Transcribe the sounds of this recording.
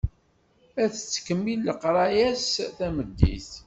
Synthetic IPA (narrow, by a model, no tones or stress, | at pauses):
æθət͡sːə̥kəmːilːəqɾˤɑjæsθæməd̪ːḭθ